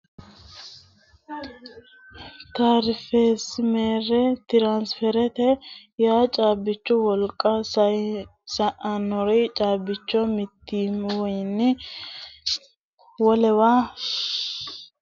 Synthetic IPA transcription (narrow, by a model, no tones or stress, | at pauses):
t̪aɾfeːsmeːɾɛt̪ɪɾaːnsfɛɾɛt̪ɛjaːt͡ʃʼaːbːɪt͡ʃːʊwɔlkʼːɐsɐjsɐʔɐnːɔɾɛt͡ʃʼaːbɪt͡ʃːɔmɪt̪ːiːmwɔjɪnːɪ | wɔlɛwaː